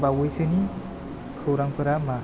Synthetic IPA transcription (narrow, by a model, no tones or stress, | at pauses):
bawɯjsɯni | kʰɯwɾaŋpʰɯɾama